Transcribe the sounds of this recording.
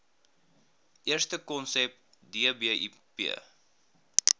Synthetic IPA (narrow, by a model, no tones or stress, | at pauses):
ʔiərstəkɔnsɛp | diəbiḭpḭə